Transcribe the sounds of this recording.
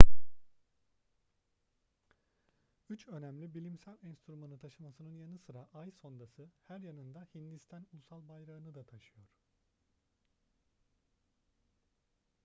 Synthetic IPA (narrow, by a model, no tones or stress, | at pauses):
yt͡ʃø̞næmlʲibilʲimsælʲɛnst̪ʰɾumanɯt̪ʰaʃɯmasɯnɯnjanɯsɯɾaʔajso̞nd̪asɯhæɾjanɯnd̪ahind̪ist̪ʰænulˠusalˠbajɾaɯnɯd̪at̪ʰaʃɯjo̞ɾ̥